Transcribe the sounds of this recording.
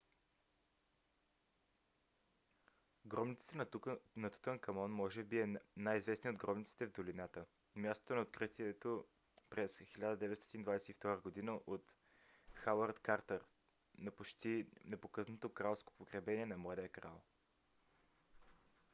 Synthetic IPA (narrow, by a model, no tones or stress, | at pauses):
ɡɾɔmnit̪sə̥t̪ənɐt̪u̥t̪ənkɐmɔnmɔʒɛbiɛnajizvɛsniod̪ɡɾɔmnit̪si̥t̪ɛvd̪olinat̪ə | mʲjast̪o̥t̪onɐot̪̚kɾit̪iɛt̪o | pɾɛsxilʲad̪əd̪ɛvɛt̪st̪ɔ̥t̪ind̪vajsɛift̪ɔɾəɡod̪inəʔot̪ | xawəɾt̪kaɾt̪əɾ | nɐpot͡ʃt̪inɛpokɤt̪not̪okɾalˠsko̥pokɾɛbɛniɛnɐmlˠad̪ɛjəkɾa̰lˠ